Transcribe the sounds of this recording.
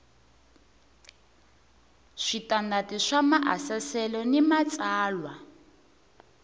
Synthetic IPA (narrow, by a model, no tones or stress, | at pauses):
ʂitandatiʂamaʔasasɛlɔnimat͡sʼaːlwa